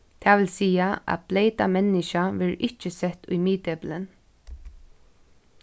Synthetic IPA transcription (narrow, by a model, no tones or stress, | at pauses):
t̪ʰaːʋɪlsiːaæ̰blejt̪amɛnːɪʃaʋɪɹɪht͡ʃəsɛt̪ʊjmiːt̪ɛplən